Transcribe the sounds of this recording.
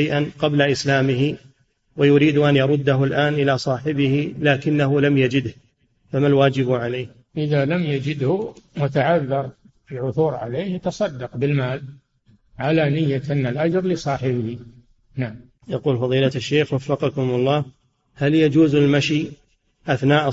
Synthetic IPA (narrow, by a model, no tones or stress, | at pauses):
jʔanqɑblaʔɪslaːmɪɦi | wajʊɾiːd̪ʊʔanjɑɾˤʊd̪ːaɦʊlʔaːnʔɪlasˤɑːħɪbɪhilaːkɪnːaɦʊlamjad͡ʒɪd̪h | famalwaːd͡ʒɪbʕalejːh | ʔɪðalamjad͡ʒɪd̪hʊmʊt̪aʕaðːɑɾˤ | filʕʊθuːɾʕa̰leːhjat̪ɑsˤɑd̪ːɑqbɪlmaːl | ʕalanɪjːat̪analʔad͡ʒɾˤlɪsˤɑːħɪbɪhi | naʕam | jɑquːlfɑðˤiːlaaʃːeːxwafːɑqɑkʊmʊlˤːɑː | haljad͡ʒuːzalmaʃi | ʔaθnaːʔ